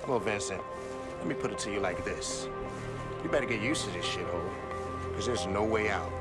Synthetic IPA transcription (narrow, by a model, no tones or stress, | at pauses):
wɛlˠvɪ̃nsɨ̃nt | lɛt̚mipʰʊɾɨtʰɨjɨlaɪk̚ðɪs | jɨbɛɾɨɡɛt̚jʉstʰɨðɪsʃɪɾolˠ | kʰʌzðə˞znoʊweɪaʊt̚